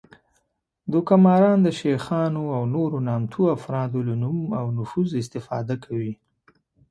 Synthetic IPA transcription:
d̪okamɑɾɑnd̪əʃexɑnoawnoɾonɑmt̪ʰuafɾɑd̪olanumawnʊfuzɪs̬t̪ɪfɑ̰d̪akʰawi

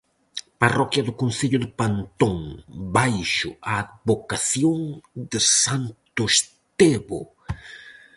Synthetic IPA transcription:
parɔkjɐðʊkõnseʎʊðɪpãnt̪õŋbajʃʊ̰aːd̪̚βokaθjõŋd̪ɪsãnt̪ʊs | t̪eβʊ̰

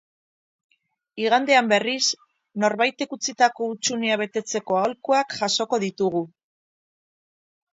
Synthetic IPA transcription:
iɣ̞and̪e̞ambe̞ris | no̞ɾβajt̪e̞kut͡sit̪ako̞ut͡ʃuneaβe̞t̪e̞t͡se̞ko̞aolkuakʝaso̞ko̞ðit̪uɣ̞u

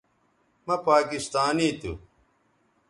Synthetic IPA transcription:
mɐpaːkist̪aːniːt̪ṵ

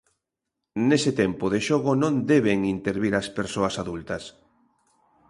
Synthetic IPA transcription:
nesɪt̪ɛmpʊðeʃoɣ̞ʊnõnd̪eβ̞eŋint̪eɾβiɾaspeɾsoɐsaðult̪ɐs

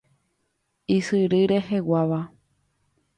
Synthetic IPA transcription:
isɨɾɨɾe̞ɦewaʋa

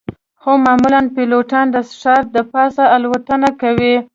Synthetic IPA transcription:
xomɑmulanpiloʈɑnd̪əsʂɑɾ̚d̪əpɑsaːlwat̪ənakawi

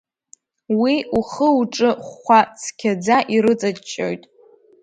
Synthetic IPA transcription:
wiuχəuʈ͡ʂʼɨχʷat͡sʰkʲʰad͡zaʔiɾɨt͡sʼat͡ʃʼːo̰jtʼ

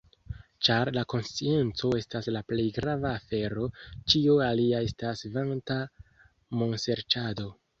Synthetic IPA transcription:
t͡ʃaɾlako̞nst͡ʃie̞nt͡so̞e̞staslaple̞jɡɾavaːfe̞ɾo̞t͡ʃioaliae̞stasvanta | mo̞nse̞ɾtado̞

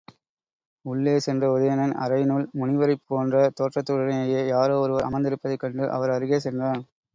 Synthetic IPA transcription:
ʊɭːeːsɛndrɐʊðɐjɐnɐnɐ̰ɾɐɪnulmʊnɪʋɐɾɐɪpːoːndrɐt̪oːʈrɐt̪ːɯɾɐɽɐjɐjeːjaːɾoːɔɾɯʋɐɾɐ̰mɐnd̪ɪɾɯpːɐðɐɪkːɐɳɖɯʔɐ̰ʋɐɾɐɾɯɣeːsɛndraːn

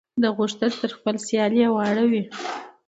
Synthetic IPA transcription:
d̪əɣʊʂt̪ənt̪əɾxpəlsjɑljewɑɽawi

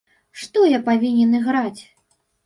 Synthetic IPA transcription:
ʂt̪ɔjapavʲinʲɛnɨɣɾat͡sʲ

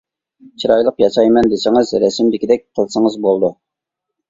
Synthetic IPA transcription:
t͡ʃʰiɾɑjlˠəqjɑʃɑjmɛnd̪ɪsɪŋəzɾɛsɪmd̪ɪkʲid̪ɛk̚ʲqʰəlˠsəŋəzbolˠd̪u

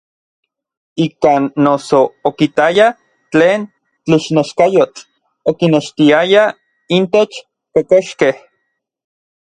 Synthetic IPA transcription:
ikaːnːosoːkit̪aja | t͡ɬeːn | t͡ɬiʃneʃkajot͡ɬ | okineʃt̪iaja | int̪et͡ʃ | pekoʃkeh

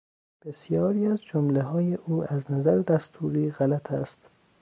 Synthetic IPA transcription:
b̥e̞sjɒːɾiːæzd͡ʒomleɦɒːjeʔuːæznæzæɾed̪æst̪ʰuːɾiːɣælæt̪ʰæst̪

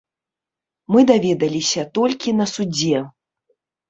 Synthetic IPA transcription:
mɨd̪avʲɛd̪ɐlʲisʲɐt̪ɔlʲkʲinɐsud͡zʲɛ

